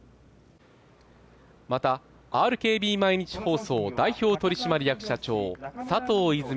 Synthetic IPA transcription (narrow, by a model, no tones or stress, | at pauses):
mat̪a | aːɾɯ̟ke̞ːbʲiːmaiɲ̟it͡ɕi̥ho̞ːso̞ːd̪aiço̞ːt̪o̞ɾʲiɕimaɾʲijakɯ̟̥ɕat͡ɕo̞̰ːsat̪o̞ːizɨm